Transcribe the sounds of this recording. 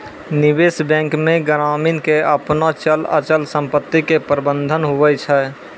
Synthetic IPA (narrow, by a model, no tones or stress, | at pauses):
nɪbeːsbɛ̃ːŋkmẽɡəɾaːminkeəpnot͡ʃələ̰t͡ʃəlsə̃mpət̪ːikepɾəbə̃nd̪ʱənɦuʋɛt͡ʃʰɛ